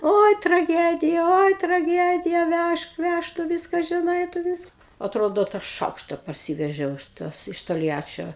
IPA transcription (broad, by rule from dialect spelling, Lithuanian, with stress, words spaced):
ˈoːɪ trɐˈɡʲæːdʲɪjɛ ˈoːɪ trɐˈɡʲæːdʲɪjɛ ˈʋʲæʃk ˈʋʲæʃk tʊ ˈʋʲɪskɐ ʒʲɪˈnɐɪ tʊ ˈʋʲɪskɐ ɐtˈroːdoː tɑː ˈʃɐʊkʃtɐ pɐrʲˈsʲiːʋʲɛʒʲɛʊ ɪʃ ˈtoːs ɪʃ toːlʲˈjæːt͡ʃʲoː